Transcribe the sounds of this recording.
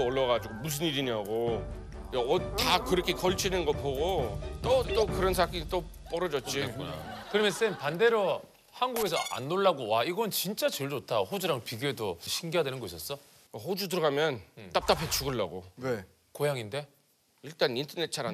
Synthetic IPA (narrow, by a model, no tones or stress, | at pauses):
ʌɭːʌɡad͡ʑiɡomus̬ʰɯniɾiɲiɦaɡo | jatakɯɾʌkʰe̞kʌɭt͡ɕʰinɯnɡʌpoɡot͈ot͈okɯɾʌns̬ʰak͈it͈o | p͈ʌɾʌd͡ʑʌt̚t͡ɕ͈ina̰kɯɾʌmjʌns͈enpande̞ɾʌ | hanɡuɡe̞sʰʌʔa̰nːoɭːaɡowaiɡʌnnt͡ɕint͡ɕ͈at͡ɕɯɭd͡ʑotʰaɸod͡ʑuɾaŋpiɡoedoɕʰiŋɡiadwe̞nɯnɡʌiɕs͈ʌs͈ʌ | aɸod͡ʑut̬ɯɾʌɡamjʌnt͈ap̚t͈apʰe̞t͡ɕuɡɯɭːaɡone | kojaŋinde̞ | iɭt͈anintʰʌnet̚t͡ɕʰaɾa